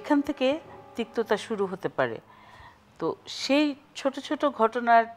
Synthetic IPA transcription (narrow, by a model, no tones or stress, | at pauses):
ekʰant̪ʰeket̪ik̚t̪ot̪aʃuɾuɦot̪epaɾḛ | t̪oʃejt͡ɕʰoʈot͡ɕʰoʈoɡʱɔʈonaɾ